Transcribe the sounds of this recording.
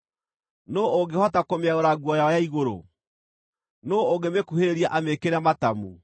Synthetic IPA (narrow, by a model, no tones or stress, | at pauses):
nooɡehɔtakomeaɣoɾaɡwɔjaɔjaiɣoɾo̰ | noːɡemekuheɾeɾiaʔamekeɾamatamu